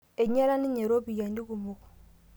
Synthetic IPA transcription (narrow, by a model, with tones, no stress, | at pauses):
e˨ɲe˦ɾa˦ni˦ɲe˨ɾo˦bi˨ja˨ndi˦ku˨mu˨k